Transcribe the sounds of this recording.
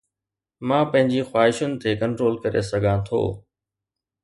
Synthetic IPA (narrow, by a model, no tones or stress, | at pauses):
mãːpɐ̃ɦɪ̃ɲd͡ʑiːxwaːɦɪʃʊnɪ̆t̪ʰeːkɐ̃ɳʈɾoːlkɐɾḛsɐɡʱãːt̪ʰo̰ː